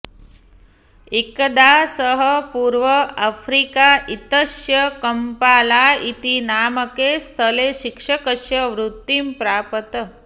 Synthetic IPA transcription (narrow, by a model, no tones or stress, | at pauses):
ikd̪asəɦəpuːɾʋəafɾikaʔit̪əʃjəkəmpaːlait̪inaːməkest̪ʰəleʃikʂəkəʃjəʋɾut̪ːimpɾaːpət̪ə